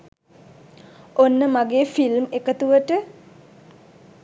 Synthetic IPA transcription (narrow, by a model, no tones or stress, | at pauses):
onːəmaɡeːfilmekət̪uʋəʈə